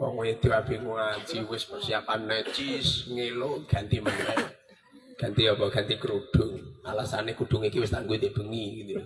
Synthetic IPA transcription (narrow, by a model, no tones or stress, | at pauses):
wɔ̰ŋwɔjid̪̥iwab̥i̤ŋuḁd͡ʒ̥iwɪspərsiapanːət͡ʃisŋeloɡ̥a̤nt̪imənɛt̪̚ | ɡ̥a̤nt̪iɔbɔɡ̥ant̪ikəɾuɖ̥ʊ̤ŋalasanekuɖ̪̥ʊŋikiwɪst̪aŋɡuid̪eb̥ə̤ŋiɡit̪i